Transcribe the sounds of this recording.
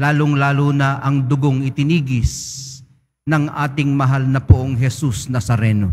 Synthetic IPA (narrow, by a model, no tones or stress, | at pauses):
laːloŋlaːlunɐʔɐŋd̪ʊɡoŋɪt̪ɪniːɡɪs | nɐŋʔa̰ːt̪ɪŋmɐɦalnɐpoʔoŋɦɛsusnɐsɐɾɛːno